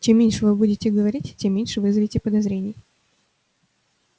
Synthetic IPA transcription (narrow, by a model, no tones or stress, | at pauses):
t͡ɕemːʲenʲʂɨvɨbudʲɪtʲɪɡəvɐɾʲitʲtʲːemːʲenʲʂɨvɨzəvʲɪtʲɪpəd̪ɐzɾʲenʲɪjə